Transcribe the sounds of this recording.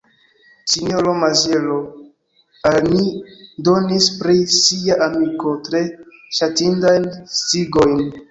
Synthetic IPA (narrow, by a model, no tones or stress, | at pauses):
sinoɾomazelo | almido̞nispɾisiaʔamiko̞tɾe̞ʃatindajnstiɡo̞jn